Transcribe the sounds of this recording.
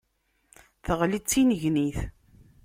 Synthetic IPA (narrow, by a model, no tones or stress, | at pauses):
θəʁlit͡sːinəʝniθ